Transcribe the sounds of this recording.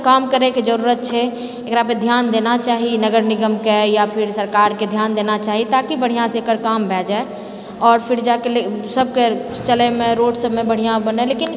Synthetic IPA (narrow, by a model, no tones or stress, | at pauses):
kamkəɾeked͡ʒəɾuɾət̪̚t͡ʃʰɛ | ekɾaped̪ʱjand̪enat͡ʃaɦinəɡəɾniɡəmkɛjapʰiɾsəɾkaɾked̪ʱjand̪enat͡ʃaɦit̪akibəɽ̤ijãsẽːkəɾkambʱɛd͡ʒae | ɔːɾpʰiɾd͡ʒakelesəb̚ʱke | t͡ʃəlemeɾoɖsəbmebəɽ̤ijãbənɛlekin